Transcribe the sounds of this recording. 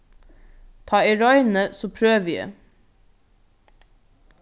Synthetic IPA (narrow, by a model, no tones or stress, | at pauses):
t̪ʰɑːiɾɔʏnəsoːpʰɾøːʋjḛ